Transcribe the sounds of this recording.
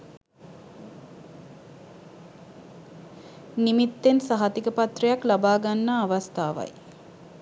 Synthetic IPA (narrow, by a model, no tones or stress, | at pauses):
nimit̪ːensaɦat̪ikəpat̪rijaklabaːɡanːaːʋast̪aːʋa̰j